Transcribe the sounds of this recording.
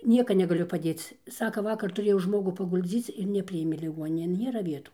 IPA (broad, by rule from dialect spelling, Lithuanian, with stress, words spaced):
ˈnʲiɛkɐ nʲɛɡɐˈlʲʊ pɐˈdʲeːt͡s ˈsɑːkɐ ˈʋɑːkɐr tʊˈrʲeːjɛʊ ˈʒmoːɡʊ pɐɡʊlʲˈd͡zʲiːt͡s ɪr nʲɛˈpʲrʲɪeːmʲeː lʲɪˈɡuɔnʲɪnʲeːn ˈnʲeːrɐ ˈʋʲiɛtuː